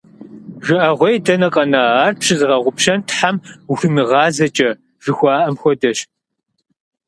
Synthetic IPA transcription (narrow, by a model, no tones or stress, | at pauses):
ʒɪʔɐʁʷɔjdɐnɐqʼɐnɐaːrpʂʰzɨʁɐʁʷʊpʃɐntħamuxɨmɨʁɑːzɐt͡ʃʼɐ | ʒ̥ɨxʷɑːʔɐmxʷɔdɐɕ